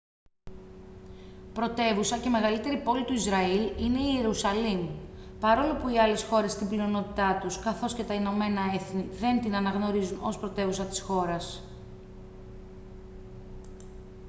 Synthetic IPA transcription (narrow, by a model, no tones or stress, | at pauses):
pɾo̞t̪e̞vusɐce̞me̞ɣɐlit̪e̞ɾipo̞lit̪uizɾɐiline̞ie̞ɾusɐlim | pɐɾo̞lo̞puiɐle̞sxo̞ɾe̞st̪imblio̞no̞t̪it̪ɐt̪uskɐθo̞sce̞t̪ɐino̞me̞nɐe̞θniðe̞nt̪inɐnɐɣno̞ɾizuno̞̰spɾo̞t̪e̞vusɐt̪i̥sxo̞ɾɐs